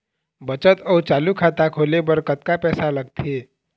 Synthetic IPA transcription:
bət͡ʃət̪əut͡ʃaːlukʰat̪akʰoːlebəɾkət̪kapɛːsaləɡt̪ʰe

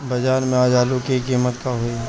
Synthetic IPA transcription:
bɐd͡ʒaːnmẽaːd͡ʒaːlukikiːmət̪kaɦoi

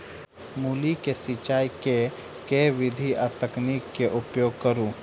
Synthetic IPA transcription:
muːlikesit͡ʃaːjke | keʋɪd̪ʱiʔat̪əknikːeʔʊpjoːɡ̚kəɾũ

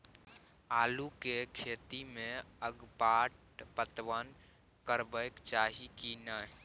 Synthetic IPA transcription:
aːlukekʰet̪imẽəɡpaʈ | pət̪ʋən | kəɾbəɪkt͡ʃaːɦikinə

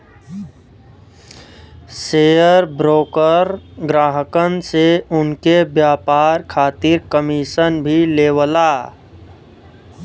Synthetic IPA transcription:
seːjəɾbɾoːkəɾɡɾaːɦəkənseʊnkebjaːpaːɾkʰaːt̪ɪɾkəmiːʃənbʱileːwəlaː

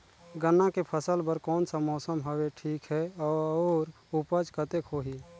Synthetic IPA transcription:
ɡənːakepʰəsəlbəɾkɔːnsamɔːsəmɦəweʈʰiːkɦɛɔːɔːɾ | upəd͡ʒkət̪ekʰoːɦi

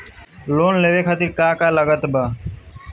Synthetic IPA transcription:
loːnleːʋeːkʰət̪iɾkaːkaːləɡət̪baː

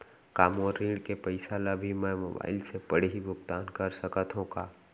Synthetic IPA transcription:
kaːmoːɾːiːɖkepəɪsaːlabʱimɛ̃mo̰ːba̰ːɪlsepəɽɦibʊkt̪aːnkɐɾsəkət̪ɦõkaː

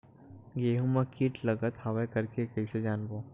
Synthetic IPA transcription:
ɡeːɦumɐkiːʈlɐɡət̪haʋekɐɾkekɐised͡ʒaːnboː

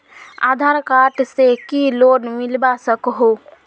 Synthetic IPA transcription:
a̰ːd̪ʱaːɾkaːʈsekiloːnmɪlbasəkɦoː

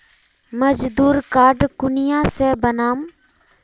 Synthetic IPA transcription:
məd͡ʒd̪uːɾkaːɖkʊnɪjãːseːbənaːm

